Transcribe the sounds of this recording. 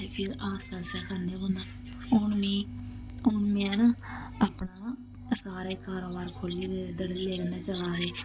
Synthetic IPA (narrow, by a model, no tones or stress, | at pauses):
pʰɪɾaːsaːsaːkʰəɾneːbõːnd̪aː | ʊnmiː | ʊɳnmĩɛːnaː | apnaː | saːɾaːkaːɾoːbaːɾkʰoːliːld̪əɽiːleːleːnaːt͡ʃaʋaːd̪eː